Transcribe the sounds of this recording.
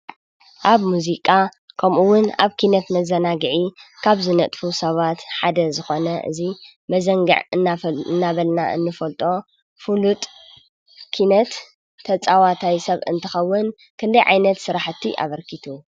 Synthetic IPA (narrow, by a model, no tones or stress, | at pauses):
ʔaβmuzikʼa | kʰɐmʔuwʊnaβkʰinɐt̪mɐzɐnaɡɨʕikʰaβzɨnɐt̪ʼfusɐβat̪ħad̪ɐzɨxo̞nɐʔɨ̰zi | mɐzɐŋɡɐ̰ʕɨnɨnːaβɐlnaʔɨ̰nːɨfɐlt̪ʼo̞ | fulut̪ʼ | kʰinɐt̪ʰː | ɐt͡sʼawat̪ʰajsɐβɨ̰nt̪ʰɨxɐwːʊn | kʰɨnd̪ɐjʕa̰jnɐt̪sɨɾaħt̪ʰːiʔa̰βɐɾkʰit̪ʰu